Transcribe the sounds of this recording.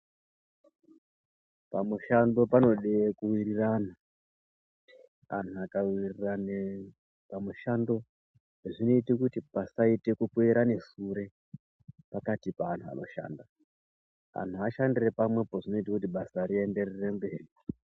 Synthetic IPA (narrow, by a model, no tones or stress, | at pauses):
pamuʃando̞pano̞ɗekuwirirana | a̰n̤uakawirirane | pamuʃando̞ | ʐino̞itikutipasaite̞kupweiɾane̞ʂuɾe̞ | pakatipaːn̤ua̰no̞̰ʃa̰ːnda | a̰n̤uaʃandire̞pamwe̞poʐino̞itakutiɓasaɾie̞nde̞rere̞mbeːri